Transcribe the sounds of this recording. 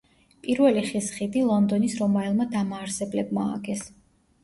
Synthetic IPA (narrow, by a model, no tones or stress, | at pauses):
pʼiɾvɛliχisχid̪ilˠɔnd̪ɔnisɾɔmaɛlˠmad̪amaːɾsɛblɛbma̰ːɡɛs